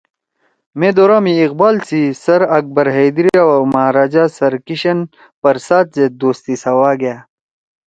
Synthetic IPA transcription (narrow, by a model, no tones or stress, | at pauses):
mẽːd̪oːɾaːmiːqbaːlt͡sisɐɾɐk̚bɐɾɦejd̪ɾiaamaːɾaːd͡ʑaːsɐɾkiɕɐn | pɐɾsaːt̪̚zed̪oːst̪isɐwaːɡɐjaː